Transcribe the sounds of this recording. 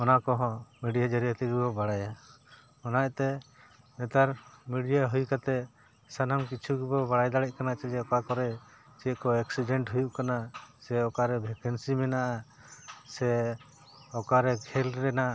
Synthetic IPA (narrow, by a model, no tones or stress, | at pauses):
ɔnakɔɦɔ̃miɖijad͡ʒaɾijat̪ɛɡibɔbaɽaja | ɔnajt̪ɛ | nɛt̪aɾmɛɖijaɦujkat̪ɛ | sanamkit͡ʃʰuɡibɔbaɽajd̪aɽɛc̚kanat͡ʃɛd͡ʒɛɔkakɔɾɛ | t͡ʃɛʔkɔɛksiɖɛɳʈɦujuʔkanasɛɔkaɾɛbʱɛkɛnsimɛnaʔa | sɛ | ɔkaɾɛɡʰʱɛlɾɛna